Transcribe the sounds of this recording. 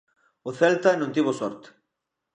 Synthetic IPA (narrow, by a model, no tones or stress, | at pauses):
oθelt̪anũnt̪iβosɔɾt̪